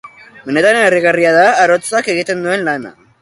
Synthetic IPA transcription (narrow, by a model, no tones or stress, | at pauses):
mene̞t̪aɾeneriɣariaðaːɾo̞t͡sake̞ɣ̞it̪e̞nd̪ue̞nlana̰